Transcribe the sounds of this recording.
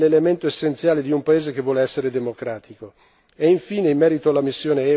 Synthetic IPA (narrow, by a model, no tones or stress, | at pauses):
lelement̪oesːent̪sjaːled̪iumpaeːzekevːwɔːleɛsːeɾed̪emokɾaːt̪ʰiko | eiɱfiːneimːɛːɾit̪oalːamisːjoːneɛ